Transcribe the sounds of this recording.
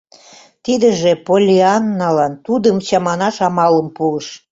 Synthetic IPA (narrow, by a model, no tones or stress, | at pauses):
t̪id̪əʒepolʲiɑnːɑlɑnt̪ud̪əmt͡ɕɑmɑnɑʃɑmɑləmpuəʃ